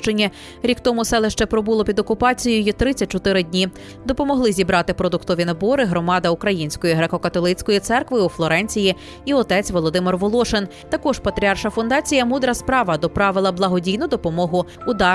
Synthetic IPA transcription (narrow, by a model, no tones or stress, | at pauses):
t͡ʃenʲːɐ | ɾʲikt̪ɔmʊsɛlˠeʃt͡ʃɛpɾɔbulˠɔpʲid̪ɔkʊpɑt͡sʲijɪjit̪ɾɪt͡sʲɐt̚ʲt͡ʃɔt̪ɪɾɪdʲnʲi | d̪ɔpɔmɔɦlˠɪzʲibɾɑt̪ɪpɾɔd̪ʊkt̪ɔʋʲinɐbɔɾɪɦɾɔmɑd̪ɐukɾɐjinʲsʲkɔjiɦɾekɔkɐt̪ɔlˠɪt͡sʲkɔjit̪sɛrkʋɪuflˠɔɾɛnʲt͡sʲiji | iɔt̪ɛt͡sʲʋɔlˠɔd̪ɪmɪrʋɔlˠɔʃen | t̪ɐkɔʒpɐt̪ɾʲiɑrʃɐfʊnd̪ɑt͡sʲijɐmud̪ɾɐspɾɑʋɐd̪ɔpɾɑʋɪlˠɐblˠɐɦɔdʲijnʊd̪ɔpɔmɔɦʊud̪ɑ